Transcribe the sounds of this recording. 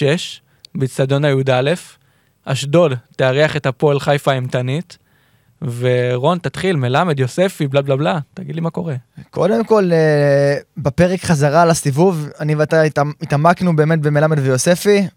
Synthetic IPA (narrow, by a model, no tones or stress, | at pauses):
eʃ | bit͡sad̪o̞najud̪ale̞f | aʃdo̞dteaʁeaχethapo̞elχajfaimtanit | veʁo̞nt̪at̪χilme̞lame̞d̪jo̞sefiblablablat̪aɡid̪limako̞ʁekʰo̞d̪e̞mko̞le | bape̞ʁekχazaʁalasivuvanivat̪ajtit̪amaknube̞ːme̞t̪̚bemelamed̪vejo̞se̞fi